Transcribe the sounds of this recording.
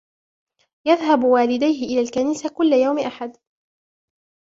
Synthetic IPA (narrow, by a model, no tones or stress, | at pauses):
jaðɦabwaːlɪd̪ajɦɪʔɪlaːlkaniːsakʊlːajawmɪʔaħad̪